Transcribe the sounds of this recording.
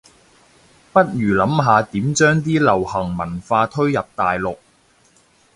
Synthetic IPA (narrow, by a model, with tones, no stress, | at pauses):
pɐ˥t̚jyː˨˩lɐ˨˥mɦaː˨˧t̪iː˨˥mt͡ʃœː˥ŋt̪iː˥lɐ˨˩whɐ˨˩ŋmɐ˨˩nfaː˧t̪ʰɵ˥ɥjɐ˨p̚t̪aː˨jlʊ˨k̚